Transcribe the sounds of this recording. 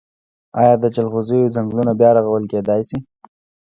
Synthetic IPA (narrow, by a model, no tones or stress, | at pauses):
ɑjɑd̪ət͡ʃalxozejozaŋɡlunabjɑɾaɣawəlked̪ɑjsi